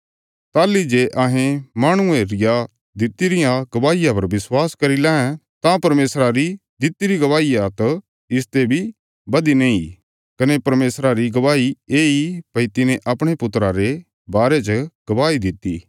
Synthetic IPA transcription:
t̪aːlid͡ʒeːʔaɦẽmaːɽ̃ʊẽɾɪja | d̪ɪt̪iɾɪjãɡ̥ɐbaːijap̬ɐɾʋɪswaːskɐɾilɛ̃ːɛ̃ | t̪ãpɐɾmeːsɾaɾid̪ɪt̪iɾiɡɐʋaːiat̪o | ɪst̪ebʱi | bɐd̪inẽi | kɐnepɐɾmeːsɾaɾiɡɐʋaːieːipɐit̪ɪnẽʔɐpɽ̃epʊt̪ːɾaɾe | baːɾet͡ʃəɡ̥ɐʋaːid̪ɪt̪ːi

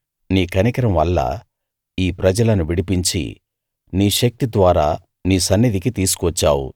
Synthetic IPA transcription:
niːkɐnikɐɾɐmʋɐlːɐ̰ | iːpɾɐd͡ʒɐlɐnuʋiɽipiɲt͡ʃḭ | niːʃɐk̚t̪id̪ʋaːɾaː | niːsɐnːid̪ikit̪iːsu̥kʋɐt͡ʃːaːwṵ

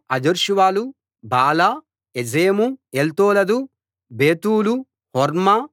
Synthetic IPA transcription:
ɐd͡ʒɐɾʃuʋaːlu | baːla | ed͡ʒeːmuelt̪oːlɐd̪u | beːt̪uːlu | hɔɾma

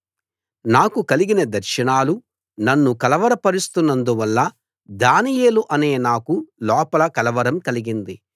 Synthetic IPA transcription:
naːkukɐliɡinɐd̪ɐɾʃɐɳaːlu | nɐnːukɐlɐʋɐɾɐpɐɾist̪unːɐnd̪uʋɐlːɐ | d̪aːnije̞ːluʔɐne̞ːnaːkulɔːpɐlɐkɐlɐʋɐɾɐmkɐliɡind̪i

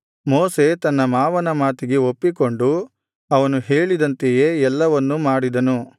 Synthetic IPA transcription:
moːse̞t̪ɐnːɐmaːʋɐnɐmaːt̪iɡe̞o̞pːiko̞ɳɖu | ɐʋɐnuɦeːɭid̪ɐnt̪eje̞ːɛlːɐʋɐnːumaːɽid̪ɐnu

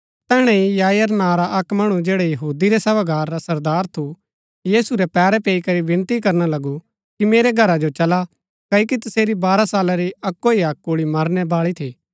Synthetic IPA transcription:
t̪ɛːɽ̃ɛ̃ijaːjɐɾnaːɾaʔɐkmɐɽ̃ud͡ʒeːɽɛjɐɦuːd̪iɾɛsɐʋaɡaːɾːasɐɾd̪aːɾt̪ʰu | jiːsuɾɛpɛːɾɛpeːikɐɾiʋɪ̃nt̪ikɐɾnalɐɡu | kimeːɾɛɡʱɐɾad͡ʒot͡ʃɐla | kaːikit̪ɐseːɾibaːɾasaːlaɾiɐkːoiɐk̚ːoːɭimɐɾnɛbaːɭit̪ʰiː

